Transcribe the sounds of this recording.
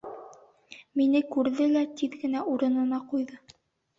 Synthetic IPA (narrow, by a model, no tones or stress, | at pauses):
minɘkʉɾðɘlæt̪iðɡɘ̆næʔuɾɤ̆nɤ̆nɑqujðɤ